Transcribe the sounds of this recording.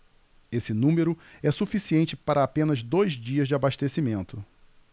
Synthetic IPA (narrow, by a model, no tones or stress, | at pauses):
esɪnũmeɾʊɛsufisiẽnt͡ʃɪpaɾɐːpẽnɐzd̪ojzd͡ʒiɐzd͡ʒɪabaʃt̪esimẽnt̪ʊ